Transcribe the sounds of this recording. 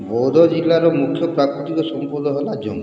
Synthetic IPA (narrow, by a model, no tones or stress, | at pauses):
bɔwd̪ʱɔd͡ʒilːaɾɔmukʰːjɔpɾakɾit̪ikɔsɔmpɔd̪ɔɦelad͡ʒɔ̰ŋ